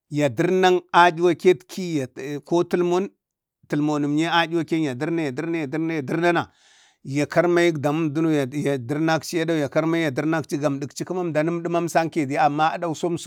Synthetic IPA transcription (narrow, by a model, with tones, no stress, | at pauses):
ja˨di˦ɾna˦ŋa˦d͡ʒi˦wa˦ke˦tkʰi˦ja˨ko˦ti˦lmo˦n | ti˨lmo˨nu˨m˨ɲe˦a˦d͡ʒi˦wa˦ke˦ja˨di˦ɾna˦ja˨di˦ɾna˦ja˨di˦ɾna˦ja˨di˦ɾna˦na˨ | ja˨ka˦ɾma˦ji˦kda˨mu˦mdu˦no˦ja˨ja˨di˦ɾna˦kt͡ʃi˦ja˦da˦u˦ja˨ka˦ɾma˦i˦ja˨di˦ɾna˦kt͡ʃi˦ɡa˨mdi˨kt͡ʃi˦ku˦ma˦mda˨nu˦m˦di˦ma˦m˦sa˦ŋke˨di˦a˨mːa˦a˦da˦u˦so˦m˦s